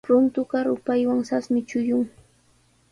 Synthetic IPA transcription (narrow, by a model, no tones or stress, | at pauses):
pɾʊnt̪ʊɢɑɾʊpajwaŋsasmɪt͡ʃʊjʊŋ